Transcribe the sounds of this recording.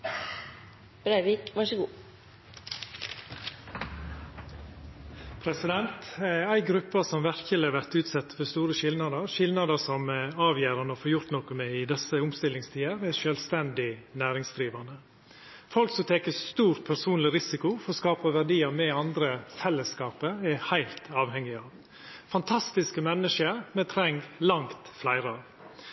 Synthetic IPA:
b̥ɾæɪʋiːkʋɑʂəɡuː | pʰɾɛsɪd̪ɛnt̪æɪɡɾʉpːɑsɔmʋæɾçəlɛʋæɾt̪ʉːt̪sɛt̪ːfɔst̪uːɾəʃɪlnɑd̪əɾʃɪlnɑd̪əsɔmɑːʋjæːɾɑnɔfoːɾjʊɾt̪nɔːkəmɛɪd̪ɛsəʊmst̪ɪlːɪŋst̪ʰiːəɾæʃœːlst̪ɛnd̪ɪnæːɾɪŋsd̪ɾiːʋɑnə | fɔlksɔt̪ʰɛkəst̪uːɾt̪pʰæɾsuːnlɪɾɪsɪkʊfɔɾɔskɑːpəʋæɾɖiːɑmɛɑnd̪ɾəfɛlːəskɑːpəɛɾhæɪlt̪ɑːʋhɛŋːɪɑːʋ | fɑnt̪ʰɑst̪ɪskəmɛnːəʂəɾmɛt̪ʰɾɛŋɡlɑŋt̪flæɪɾəɑʋ

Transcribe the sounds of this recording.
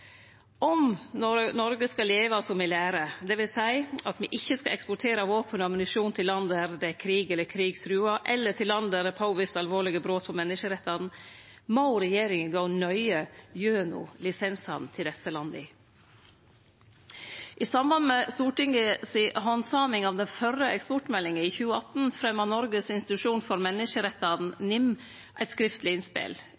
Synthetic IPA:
ʔɔmnɔnɔɾɡəskɑleːʋɑsɔmɪlæːɾəd̪ɛʋɪlsæɪɑt̪mɪʔɪçːəskɑ̰ʔɛkspɔʈʰeːɾɑʋoːpənɔɑmnɪʂuːnt̪ʰɪlːɑnd̪æɾd̪ɛkʰɾiːɡɛlːəkʰɾiːɡsɾʉːɑʔɛlːəʈʰɪlːɑnd̪æɾd̪ɛpʰɑʊʋɪst̪ɑlʋoːɭɪɡəbɾoːt̪̚pʰɔmɛnːɪʂəɾɛt̪ːɑd̪n̩ | mɑʊɾɛjeːɾɪŋənɡɑʊnœʏəjøːnʊ̰lɪsɛnsɑ̰nnt̪ʰɪld̪ɛsəlɑnd̪ɪ | ʔisɑmbɑnmɛst̪uːʈɪŋəsɪɦɔnsɑːmɪŋɑʋd̪ɛnfœɾːəʔɛkspɔʈmɛlːɪŋəiːçʉːəɑt̪n̩fɾɛmːɑnɔɾɡəsɪnst̪ɪt̪ʉʂuːnfɔɾmɛnːɪʂəɾɛt̪ːɑd̪n̩nɪm | ʔæɪt̪skɾɪft̪lɪɪnspɪ̰l

